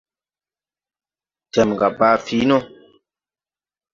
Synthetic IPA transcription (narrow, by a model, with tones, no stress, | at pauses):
tɛ˨mŋ˨ɡa˨baː˦fi˨˦no˦